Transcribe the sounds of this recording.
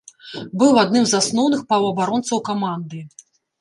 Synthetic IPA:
bɨwad̪nɨmzasnɔwnɨxpɾavɐɐbaɾɔnt̪sɐwkamand̪ɨ

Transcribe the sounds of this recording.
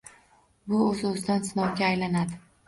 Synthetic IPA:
bʊɵzɵzɪd̪ansɪnɒwɡʲaːjlanad̪ɪ

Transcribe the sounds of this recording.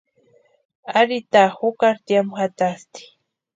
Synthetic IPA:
aɾit̪ahʊkaɾt̪jamxat̪ast̪i̥

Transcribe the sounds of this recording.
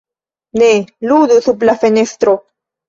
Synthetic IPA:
neluðuθuplafenest̪ɾo

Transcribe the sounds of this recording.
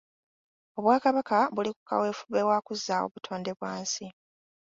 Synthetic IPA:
o̞βwaːkaβakaβuliku̥ka̰we̞ːfuβe̞waːkuzːao̰βutʰo̞ːnde̞βwaːnsi

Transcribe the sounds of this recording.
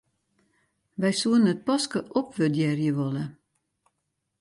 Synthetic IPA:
ʋɛjsuənət̚pɔskəʔopʋødjɛrjəʋɔlə

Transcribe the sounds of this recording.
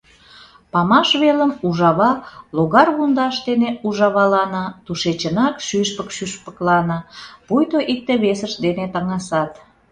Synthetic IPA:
pɑmɑʃβeləmuʒɑβɑloɣɑrɣund̪ɑʃd̪eneuʒɑβɑlɑnət̪uʃet͡ɕənɑkʃyʃpəkʃyʃpə̥klɑnəpujt̪oʔik̚t̪eβesəʃd̪enet̪ɑŋɑsɑt̪

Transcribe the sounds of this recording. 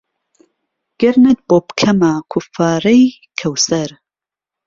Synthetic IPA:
ɡ̥ɐɾnɐt̪̚boːpkʰɐmakʰʊfaːɾɐj | kʰɐwsɐɾ

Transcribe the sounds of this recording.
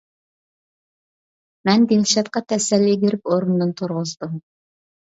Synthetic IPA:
mɛnd̪inʃɑt̪̚qɑt̪ʰɛsɛlːiɡʲiɾɪp̚oɾund̪ɨnt̪ʰʊɾʁʊzd̪um

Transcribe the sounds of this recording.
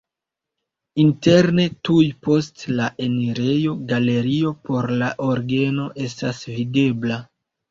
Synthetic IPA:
inte̞ɾne̞tujpo̞stlaʔe̞niɾe̞jo̞ɡale̞ɾio̞po̞ɾlaʔo̞ɾɡe̞no̞ʔe̞stasvide̞bla

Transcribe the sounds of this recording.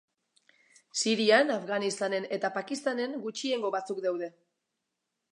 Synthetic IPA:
siɾianafɣanist̪ane̞ne̞t̪apakist̪ane̞ŋɡut͡ʃie̞ŋɡo̞βat͡sukd̪awðe̞

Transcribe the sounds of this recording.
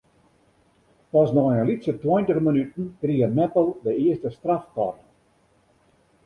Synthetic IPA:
pɔsnɔjəlisətwɔjntəχmənytn̩kriəmɛpəlˠdəiəstəstraftɔ̰r

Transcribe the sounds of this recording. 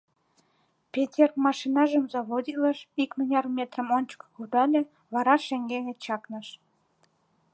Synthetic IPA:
pʲetʲermɑʃinɑʒəmzɑβodʲiləʃikmənʲɑrmʲet̪rəmonʲt͡ɕə̥kkud̪ɑlʲe | βɑɾɑʃeŋɡenʲet͡ɕɑknəʃ

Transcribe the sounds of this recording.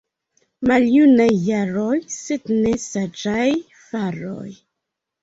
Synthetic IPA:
maljunajːaɾojsed̪nesad͡ʒaj | faɾo̰j

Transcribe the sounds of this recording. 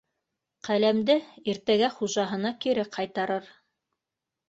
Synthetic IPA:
qælæmd̪ɘiɾt̪æɡæχuʒɑɦɤ̆nɑkiɾɘqʰɑjt̪ɑɾɤɾ

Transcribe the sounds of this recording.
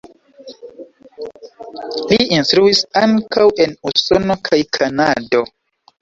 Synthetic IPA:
liinstɾuisaŋkawe̞nuso̞no̞kʰajkʰanado̞

